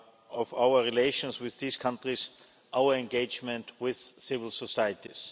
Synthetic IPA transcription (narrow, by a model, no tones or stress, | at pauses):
ɔfaʊə˞ɹileɪʃɔ̃nswɪððiːskʰãntɹis | ʔaʊə˞ɛ̃nɡeɪd͡ʒmɛ̃ntwɪð̥sɪvɪl̩ˠsɔsaɪətis